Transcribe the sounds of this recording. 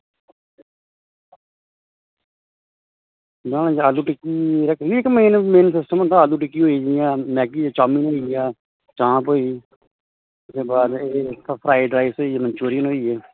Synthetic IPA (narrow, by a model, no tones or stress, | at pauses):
bãːñːd͡ʒaːluːʈɪkːiːɾəkʰɡiːɪkːməɦiːnmeːnsɪsʈəmə̃nd̪aːaːluːʈɪkːiːɦoːid͡ʒijãːmɛːkiːaːt͡ʃaːmiːnoːiːaː | t͡ʃãːpɦoːiː | ɪsd̪eːbaːd̪eːt̪ʰːapʰɾaːɪɖɾaːɪsɦoːiːeːməɲt͡ʃuːɾɪjənɦoːiːeː